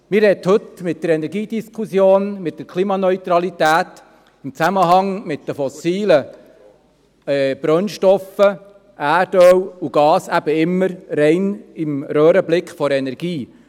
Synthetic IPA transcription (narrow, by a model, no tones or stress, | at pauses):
mɪɾɛthɵt̪mɪt̚d̥̪əɾɛnɛɾɡiːd̥̪iskʰusjoːnmɪt̚d̥̪əɾkʰlimɑnœʏt̪ɾɑlitæːt̪ | ɪmt͡sæməɦɑŋmɪtd̥̪əfɔsiːlə | ɛb̥ɾœnʃtɔfə | ʔæːɾdœwuɡ̥ɑːsæb̥əɪmːəɾɾɛɪnɪmɾøːɾəblɪkχfɔɾɛnɛɾɡ̥iː